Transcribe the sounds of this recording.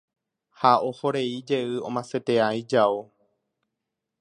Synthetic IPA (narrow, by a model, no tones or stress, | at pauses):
hao̞hoɾe̞id͡ʒe̞ɨõmãset̪eajd͡ʒao